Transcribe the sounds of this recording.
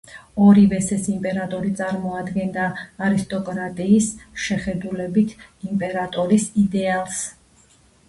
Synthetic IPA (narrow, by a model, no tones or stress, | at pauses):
ɔɾivɛsɛsimpʼɛɾat̪ʼɔɾit̪sʼaɾmɔad̪ɡɛnd̪aːɾist̪ʼɔkʼɾat̪ʼiːsʃɛχɛd̪ulɛbit̪ʰimpʼɛɾat̪ʼɔɾisid̪ɛalˠs